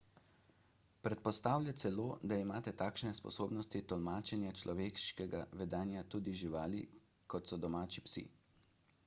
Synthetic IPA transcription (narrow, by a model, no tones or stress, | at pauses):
pɾɛt̪̚pɔst̪aːwlʲjat̪sɛloːd̪aimaːt̪ɛt̪aːkʃnɛspɔ̰soːbnɔst̪it̪ɔlmaːt͡ʃɛnjat͡ʃlʔɔʋeːkʃkɛɡaʋɛd̪aːnjat̪uːd̪iʒiʋaːli | kɔt̪sɔd̪ɔmaːt͡ʃipsḭ